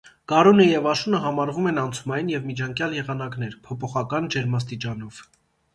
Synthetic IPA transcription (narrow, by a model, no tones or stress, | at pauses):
ɡ̥ɑɾunəjɛvɑʃunəɦɑmɑɾvumɛnɑnt͡sʰumɑjinjɛvmit͡ʃʰɑŋkjɑljɛʁɑnɑknɛɾpʰɔpʰɔχɑkɑnd͡ʒɛɾmɑs̬t̪it͡ʃɑnɔv̥